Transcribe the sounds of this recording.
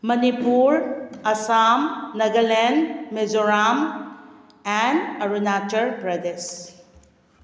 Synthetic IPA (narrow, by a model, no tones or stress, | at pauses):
mɐnipuɾɐsamnɐɡɐlɛnmezoɾam | ɛnɐɾunat͡ʃɐɾpɾɐdes